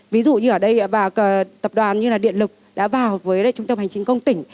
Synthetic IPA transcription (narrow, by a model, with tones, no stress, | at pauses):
vi˨˦zṵ˧˨ɲɨ˧ʔəː˧˩ɗə˧jvaː˨˩kə˨˩t̪ə˨˩p̚ɗwaː˨˩nɲɨ˧laː˨˩ɗḭ˧˨ənlɨ˨˩k̚ɗa̰ː˧˥vaː˨˩wvəː˨˦ja̰˧˦t͡ɕʊ˧ŋ͡mt̪ə˧mha˨˩ŋt͡ɕï˨˦ŋ̟kə˧wŋ͡mt̪ï˧˩ŋ̟